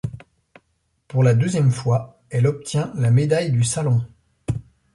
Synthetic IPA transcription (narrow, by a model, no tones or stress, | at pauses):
puʁlad̪øzjɛmfwa | ɛlɔp̚t̪jɛ̃lamed̪ajd̪ysalɔ̃